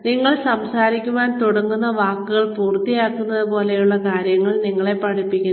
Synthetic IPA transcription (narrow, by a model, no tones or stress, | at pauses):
niŋːɐɭsɐmsaːɾikʲːuʋaːnt̪uɽɐŋːunːɐʋaːkːuɣɐɭpuːrt̪ːijaːkːunːɐðɨpo̞ːle̞juɭːɐkaːɾjɐŋːɐɭniŋːɐɭe̞pɐʈipːikʲːun